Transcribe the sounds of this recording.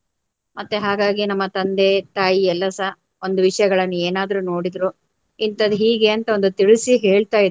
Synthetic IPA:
mɐt̪ːeɦaːɡaːɡinɐmːɐt̪ɐnd̪et̪aːjiɛlːɐsɐ | o̞nd̪uʋiʂɐjɐɡɐɭɐnːueːnaːd̪ɐɾuno̞ːɽid̪ɾu | int̪ɐd̪uɦiːɡe̞ɐnt̪ɐo̞nd̪ut̪iɭisiɦe̞ːɭt̪aːjid̪

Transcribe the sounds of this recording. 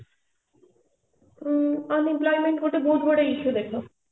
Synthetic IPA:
ʌnimplɔjmeɳʈɡʱoʈebod̪ʱboɽaiʃud̪ekʰlo

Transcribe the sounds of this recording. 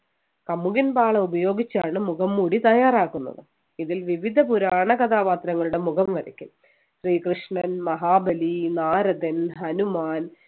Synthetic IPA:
kɐmːuɣinbaːɭɐubɐjo̞ːɡit͡ɕːaːɳɨmuɣɐmːuːɽit̪ɐjaːraːkːunːɐ̰ðɨ | iðilʋiʋid̪ʱɐpuɾaːɳɐkɐt̪ʰaːpaːt̪ɾɐŋːɐɭuɽe̞muɣɐmkɐɾikʲːum | ɕriːkrɨʂɳɐnmɐɦaːbɐlinaːɾɐd̪ɐnɦɐnumaːn

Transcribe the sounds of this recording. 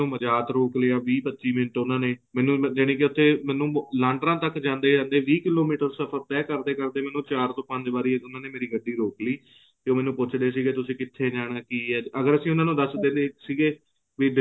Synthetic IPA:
ũːməd͡ʒaːt̪ɾoːkleaːʋiːpətːʃiːmɪnəʈʊnãːneːmɛːnũːd͡ʒɪɽ̃ẽːk̬ɪʊt̪ʰːeːmɛːnũːlãːɳɖɾãːt̪əkd͡ʒãːnd̪eːd͡ʒãːnd̪eːʋiːkɪloːmiːʈəɾsəpʰəɾt̪ɛːkəɾd̪eːkəɾd̪eːmɛ̃ːnũːt͡ʃaːɾt̪õːpə̃ɲd͡ʒbaːɾiːeʊnãːneːmeːɾiːɡəɖːiːɾoːkliː | t̪eoːmɛ̃ːnũːpʊt͡ʃʰd̪eːsiːɡeːt̪ʊsĩːkɪt̪ʰːeːd͡ʒaːɽ̃aːkiːɛːəɡəɾəsĩːʊnãːnũːd̪əsd̪ẽːd̪eːsiːɡeː | ʋiːɖɪ

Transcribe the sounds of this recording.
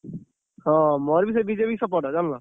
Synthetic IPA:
hãmɔɾbisebid͡ʒeːpisəp̬ɔːʈad͡ʒaːnlãː

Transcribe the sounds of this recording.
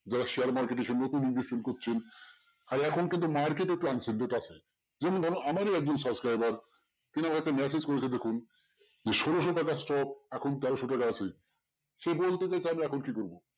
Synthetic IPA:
d͡ʑaɾaʃeaɾmaɾkeʈeʃenːot̪uniŋɡifilkoɾt͡ɕʰen | aɾɛkʰonkint̪̬umaɾkeʈ̬ek̚ʈuansenɖeʈat͡ɕʰe | d͡ʑɛmoned̪ʱɔnonamaɾiɛk̚d͡ʑonsʌbskɾajbaɾ | t̪iniamakeɛk̚ʈamɛs̬ed͡ʑkoɾet͡ɕʰed̪ekʰun | d͡ʑeʃɔɾoʃ̬oʈakasʈɔp̚ɛkʰont̪ɛɾoʃoʈakaat͡ɕʰe | ʃebolt̪et͡ɕajt͡ɕʰeamiɛkʰonkikoɾbo

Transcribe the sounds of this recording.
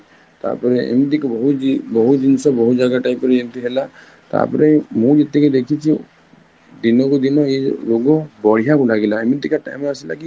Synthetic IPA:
t̪a̰ɾpɔɾeḛmid̪ikɔbɔɦubɔɦut̪d͡ʒinsɔbɔɦut̪d͡ʒaɡaʈajpɔɾed͡ʒint̪iɦela | t̪a̰ɾpɔɾemũd͡ʒet̪eked̪ekʰit͡ʃʰi | d̪inɔkɔd̪inɔeloɡɔbɔɽijakulaɡelaemid̪ikaʈa̰jmɔasilaki

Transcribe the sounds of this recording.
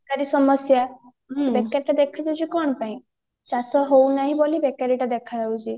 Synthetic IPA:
kaɾisɔmɔsja | bekaɾiʈad̪ekʰad͡ʒawt͡ʃʰikɔɽ̃ɔpaĩ | t͡ʃasɔɦownaɦĩbolibekaɾiʈad̪ekʰad͡ʒawt͡ʃʰi

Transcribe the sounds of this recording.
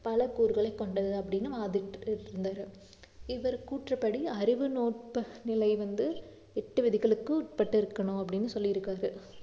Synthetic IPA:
pɐlɐkuːɾɣɐɭɐɪkːɔɳɖɐðɯɐpːɐɽɪnːɯʋaːðɪʈːɾɯnd̪aːɾɯ | ɪʋɐɾkuːʈrɐpːɐɽiɐɾɪʋɯnoːʈ̚pɐnɪlɐɪʋɐnd̪ɯ | ɛʈːɯʋɪðɪɣɐɭɯkːɯʈ̚pɐʈːɯɪɾɯkːɐɳʊ̃ɐpːɐɽɪnːɯsɔlːɪɪɾɯkːaːɾɯ

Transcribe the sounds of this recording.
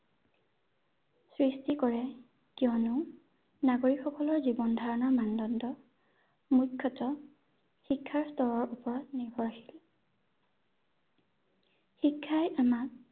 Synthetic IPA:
sɹistikɔɹɛ | kiɔnʊ | naɡoɹikxɔkɔlɔɹzibɔndʱaɹɔnɔɹmandɔndɔ | mukʰːɔtɔ | xikʰːaɹstɔɹɔɹupɔɹɔtnibʱɔɹaxi̥l | xikʰːajʔamak̚

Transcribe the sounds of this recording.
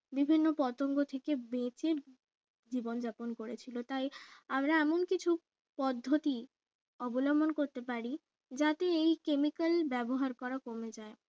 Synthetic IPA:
bibʱinːopɔt̪oŋɡot̪ʰekebet͡ɕeɾ | d͡ʑibond͡ʑaponkoɾet͡ɕʰilot̪ajamɾaɛmonkit͡ɕʰu | pɔd̪ʱːot̪i | ɔbolɔmbonkoɾt̪epaɾi | d͡ʑat̪eejkemikalbɛboɦaɾkɔɾakomed͡ʑae

